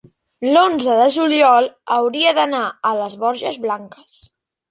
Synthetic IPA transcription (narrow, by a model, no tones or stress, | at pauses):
lonzəðəʒuliɔlˠəwɾiəðənaələzβɔɾʒəzβlaŋkəs